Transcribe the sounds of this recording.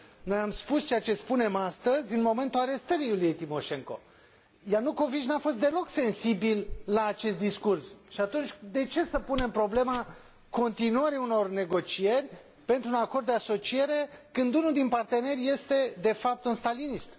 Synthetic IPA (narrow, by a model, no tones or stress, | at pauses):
no̞jamspust͡ʃeat͡ʃe̞spune̞mast̪əzʲɨnmo̞me̞nt̪ulaɾe̞st̪əɾijulije̞jt̪imo̞ʃe̞ŋko̞̰ | jarnuko̞viʃnafo̞s̬t̪d̪e̞lo̞kse̞nsibilːaːt͡ʃe̞st̪d̪iskursʃiat̪unt͡ʃʲd̪e̞t͡ʃe̞səpune̞mpɾo̞ble̞ma | ko̞nt̪inuəɾiuno̞rne̞ɡo̞t͡ʃie̞rʲ | pe̞nt̪ɾunakord̪d̪easo̞t͡ʃie̞ɾe̞kɨnd̪unuld̪inpart̪e̞ne̞rʲje̞st̪e̞d̪e̞fap̚t̪unst̪alinist̪